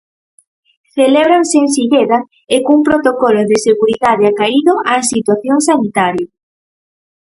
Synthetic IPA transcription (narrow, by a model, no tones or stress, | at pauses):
θeleβɾaŋsensiʎeðɐ | ekuŋpɾot̪okɔloðeseɣuɾiðaðeakaiðoʔasit̪waθjoŋsanit̪aɾja